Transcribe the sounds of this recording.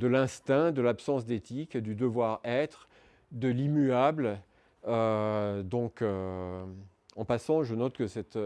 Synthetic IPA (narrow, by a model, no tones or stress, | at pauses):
d̪əlɛ̃st̪ɛ̃d̪əlapsɑ̃sd̪et̪ikd̪yd̪əvwaʁɛt̪χ | d̪əlimyabl | ød̪ɔ̃kø | ɑ̃pasɑ̃ʒənɔt̪kəsɛt̪